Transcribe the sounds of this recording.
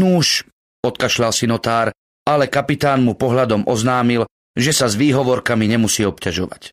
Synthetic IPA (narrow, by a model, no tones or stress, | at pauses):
nuʃ | ɔt̪kaʃlalsinɔt̪aːɾ | alɛkapit̪aːnmupɔɦlad̪ɔmʔɔznaːmil | ʒɛsazʋiːɦɔʋɔɾkamiɲɛmusiːɔpcaʒɔʋa̰c